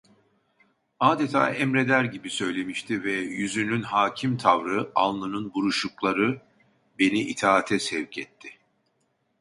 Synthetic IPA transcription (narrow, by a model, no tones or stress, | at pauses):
aːd̪et̪ʰa̰ːɛmɾed̪æɾɟibisø̞jlʲe̞miʃt̪ʰivɛjyzynynɦaːcʰimt̪ʰavɾɯa̰lˠlˠɯnɯnbuɾuʃuklˠaɾɯ | be̞niʔit̪ʰaːt̪ʰɛsɛvcʰɛt̪ʰːɪ